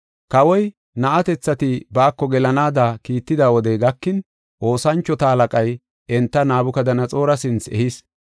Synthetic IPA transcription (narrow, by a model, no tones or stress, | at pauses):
kɐwɔj | nɐʔɐt̪ɛt͡sːɐt̪ɪbaːkːɔɡɛlɐnaːd̪akiːt̪ːɪd̪aːwɔd̪ɛɡɐkːɪn | ʔo̞ːsɐnt͡ʃːɔt̪ɐɐlɐkʼɐj | ɛnt̪ːɐnaːbʊkɐd̪ɐnɐt͡sʼo̞ːɾɐsɪnt͡sɛ̰his